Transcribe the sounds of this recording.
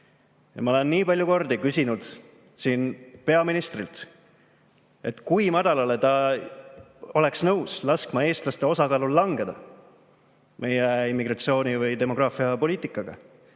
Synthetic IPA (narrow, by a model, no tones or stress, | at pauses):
jɑ̰mɑole̞nːiːpɑlʲjuko̞rd̪ikysʲinud̪̥ | siːnpe̞ɑminist̪rilt̪ | e̞t̪ːˑkujmɑd̪̥ɑlɑlet̪ɑ | o̞le̞ksnɤwslɑskmɑe̞ːst̪lɑst̪e̞o̞sɑkɑːlulːɑŋɡe̞d̪̥ɑ | me̞jeimːiɡ̥rɑt̪sio̞ːnivɯjt̪e̞mo̞ɡ̥rɑːfiɑpo̞lʲiːt̪ikːˑɑɡ̥ɑ̰